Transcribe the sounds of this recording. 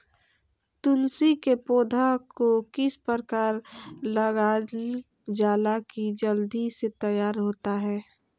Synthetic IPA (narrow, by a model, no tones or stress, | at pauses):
t̪ʊnsikepoːd̪ʱakokɪspəɾkaːɾləɡa | d͡ʒaːlakid͡ʒəld̪iset̪əjaːɾɦoːt̪aɦɛː